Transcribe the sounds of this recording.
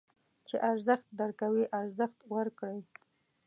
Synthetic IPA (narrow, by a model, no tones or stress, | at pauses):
t͡ʃeʔaɾzəxt̪̚d̪aɾkawiʔaɾzəxt̪wəɾkɽəj